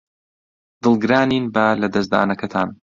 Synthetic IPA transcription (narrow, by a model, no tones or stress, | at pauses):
d̪ɨlˠɡɨɾaːniːnbɐlɐd̪ɐs̬d̪a̰ːnɐkɐt̪ʰaːn